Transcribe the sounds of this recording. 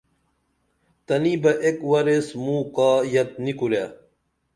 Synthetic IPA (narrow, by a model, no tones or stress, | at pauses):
t̪ɐnibɐʔekwɐɾesmuːkaːjɐt̪̚nikuɾja